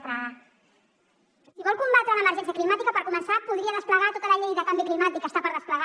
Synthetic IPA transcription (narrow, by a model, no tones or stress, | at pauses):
t̪ɾa | siβɔlˠkumbat̪ɾələməɾʒɛnsjəklimat̪ikəpəɾkumənsapuðɾiəðəspləɣat̪ot̪ələʎejðəkambiklimat̪ikəst̪apəɾðəspləɣ